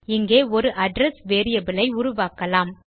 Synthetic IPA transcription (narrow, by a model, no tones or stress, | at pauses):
ɪŋɡeːɔɾɯʔɐɖɾɛsʋeːɾɪjɐbɪlɐɪʊɾʊʋaːkɐlaːm